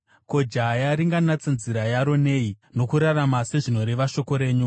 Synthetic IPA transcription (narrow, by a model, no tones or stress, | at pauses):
ko̞d͡ʒajaɾiŋɡanat͡sanziɾajaɾo̞ne̞ino̞kuɾaramase̞ʐino̞ɾeʋaʃo̞ko̞ɾe̞ːɲu